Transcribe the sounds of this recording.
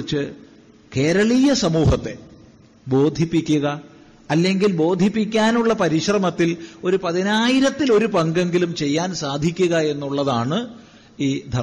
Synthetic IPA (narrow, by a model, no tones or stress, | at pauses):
t͡ɕːɨ | ke̞ːɾɐɭijɐsɐmuːɦɐt̪ːe̞ | bo̞ːd̪ʱipːikʲːuɣɐ | ɐlːe̞ŋɡilbo̞ːd̪ʱipːikʲːaːnuɭːɐpɐɾiɕrɐmɐt̪ːilo̞ɾupɐðinaːjiɾɐt̪ːilo̞ɾupɐŋɡe̞ŋɡilumt͡ɕe̞jːaːnsaːd̪ʱikʲːuɣɐe̞nːuɭːɐðaːɳɨ | iːd̪ʱɐ